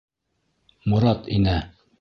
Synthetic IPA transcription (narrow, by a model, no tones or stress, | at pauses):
mŭɾɑt̪inæ